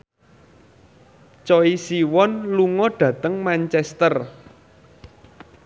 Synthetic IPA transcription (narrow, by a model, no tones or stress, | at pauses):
t͡ʃɔisiwɔnluŋɔɖ̥ä̤t̪əŋmant͡ʃɛst̪ər